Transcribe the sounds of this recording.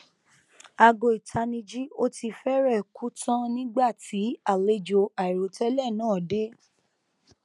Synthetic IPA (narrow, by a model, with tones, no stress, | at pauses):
a˧ɡo˧˨i˨tʰa˧nĩ˧d͡ʒi˦o˦ti˧fɛ˦ɾɛ˦˨ku˦tã˦nĩ˦ɡ͡ba˦˨tʰi˨˦a˦˨le˦d͡ʒo˧a˨i˨ɾo˨tɛ˦lɛ˦˨nãː˦˨de˦